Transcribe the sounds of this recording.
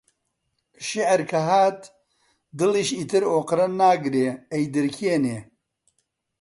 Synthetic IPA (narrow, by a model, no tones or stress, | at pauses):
ʃɪʕɾkʰɐɦaːt̪ | d̪ɨliʃit̪ɨɾoːqɨɾɐnnaːɡɾeːejd̪ɨɾkʰieneː